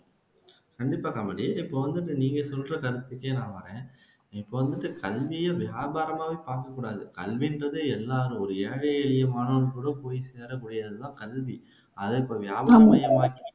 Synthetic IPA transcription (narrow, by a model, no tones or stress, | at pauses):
kɐɳɖɪpːaːkɐmɐɽiɪpːoːʋɐnd̪ɯʈːɯniːŋɡɐsɔlrɐkɐɾɯt̪ːɯkːeːnãːʋɐɾẽː | ɪpːoːʋɐnd̪ɯʈːɯkɐlʋɪjɐʋɪjaːbaːɾɐmaːʋeːpaːɾkɐkːuːɽaːðɯkɐ̰lʋɪndɾɐðɯɛlːaːɾɯ̃ɔɾɯeːɻɐɛɭɪjɐmaːnɐnɯkːɯːɽɐpoːjiseːɾɐkuːɽɪjaːðɯt̪ãːkɐlʋi | ɐðɐɪpːoːʋɪjaːbaaːɾmɐjɐmaːki